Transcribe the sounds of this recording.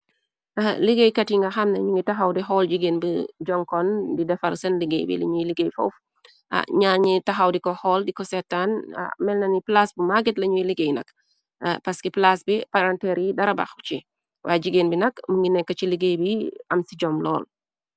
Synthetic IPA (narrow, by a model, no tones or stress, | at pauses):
ʔaliɡejkɐtiŋɡɐxɐmnɐɲuŋitɐxɐwdiɦɔːld͡ʒiɡeːnbəd͡ʒɔŋkɔndidɛfɐlsɐnliɡḛjbḭlɐ̰ɲujliɡejfɔ̰f | ɲaɲitɐxɐwdikɔhɔːldikɔsɛtːan̰mɛlnɐniplasbumaɡɛtlɐɲujiliɡejnɐ̰k | pɐskiplasbipaɾantɛɾjidɐɾɐba̰xt͡ʃi | waːd͡ʒiɡeːnbinɐkmuŋɡinɛkːɐt͡ʃiliɡejbiɐmsiɟɔmlɔ̰ːl